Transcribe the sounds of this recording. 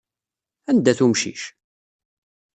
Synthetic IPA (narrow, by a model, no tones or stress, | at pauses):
ænd̪æθumʃḭʃ